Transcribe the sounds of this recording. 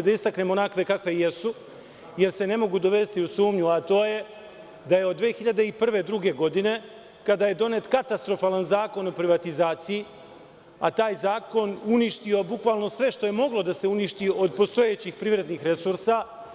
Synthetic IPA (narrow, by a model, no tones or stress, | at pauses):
d̪aist̪akne̞ːmo̞nakʋe̞kakʋe̞jesu | je̞ɾse̞ne̞mo̞ɡud̪o̞ʋe̞st̪iusuːmɲuat̪o̞ːje̞ | d̪ajeod̪ːʋeːxiʎad̪e̞ipr̩ʋe̞d̪ɾuɡe̞ɡo̞d̪ine̞ | kad̪aːje̞d̪o̞ne̞ːt̪kat̪ast̪ɾo̞faːlanzaːko̞no̞pɾiʋat̪izaːt̪siji | a̰t̪aːjzaːko̞nuniʃt̪io̞bukʋaːlno̞sʋe̞ʃt̪o̞je̞mo̞ɡlo̞d̪ase̞uniʃt̪io̞d̪̚po̞st̪o̞je̞t͡ɕixpɾiʋɾe̞d̪nixɾe̞suɾsa